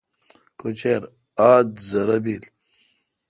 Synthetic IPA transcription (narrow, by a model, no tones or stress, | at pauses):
kot͡ɕeɾ | aːd̪zɐɾɐbil